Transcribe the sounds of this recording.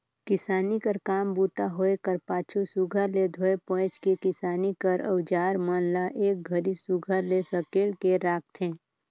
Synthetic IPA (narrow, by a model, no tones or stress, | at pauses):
kɪsaːnikəɾkaːmbuːt̪aɦoːekəɾpaːt͡ʃʰusuɡʱəɾled̪ʱoːepɔ̃ːt͡ʃkikɪsaːnikəɾə̰wd͡ʒaːɾmaːnlaʔeːk̚ɡʱɐɾisuɡʱəɾlesəkeːlkeɾaːk̚t̪ʰɦẽː